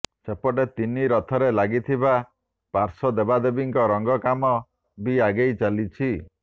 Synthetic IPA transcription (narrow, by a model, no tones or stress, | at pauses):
sepɔʈet̪iniɾɔt̪ʰɔɾelaɡit̪ʰiba | paɾsɔd̪ebad̪ebiŋkɔɾɔŋɡɔkamɔ | biaɡejt͡ʃalit͡ʃʰi